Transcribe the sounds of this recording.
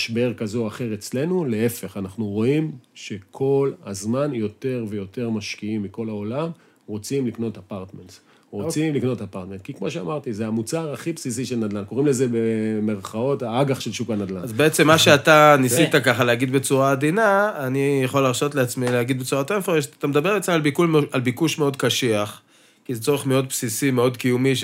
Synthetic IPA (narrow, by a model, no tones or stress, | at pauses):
aʃbe̞ʁkazoaχe̞ʁet͡sle̞nule̞efe̞χanaχnuʁo̞imʃe̞kʰo̞lhazmanjo̞te̞ʁve̞jo̞te̞ʁmaʃkiimːiko̞lao̞lam | ʁo̞t͡simlikno̞tapaʁt̪ments | ʁo̞t͡simlikno̞tapaʁt̪me̞ntkikmo̞ʃea̰maʁtizeamut͡saʁaχipsisiʃelnad̪lanko̞ʁimle̞zebemeʁχao̞taaɡaχʃelʃukanad̪lanazbeet͡se̞mːaʃeat̪anisit̪akaχaleaɡid̪bet͡suʁad̪inaːnijaχolːaʁʃo̞t̪leat͡smileaɡid̪bet͡suʁat̪emfoeʃt̪amed̪abe̞ʁbet͡saalbikulalbikuʃme̞o̞d̪kaʃiaχ | kizet͡so̞ʁeχmeo̞d̪̚psisime̞o̞d̪kijumiʃ